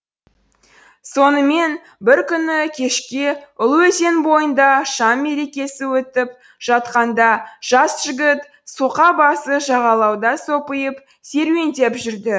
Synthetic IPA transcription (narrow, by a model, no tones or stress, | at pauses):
so̞nəme̞n | bɪɾkʲʰʏnɪkʲʰe̞ʃkʲeʊlˠwɵze̞nbo̞jənd̪ɑʃɑmːe̞ɾe̞kʲe̞sɪwɵt̪ɪp̚ | ʒ̥ɑt̪qɑnd̪ɑʒ̥ɑsʒ̥ɪɡʲɪt̪ | suqɑbɑsəʒɑʁɑlˠɑwd̪ɑsopəjəp | se̞ɾwe̞nd̪e̞pʒʏɾd̪ɪ